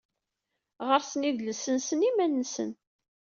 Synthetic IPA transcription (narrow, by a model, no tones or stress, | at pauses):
ʁəɾsəniðləsənsənimænːəsə̰n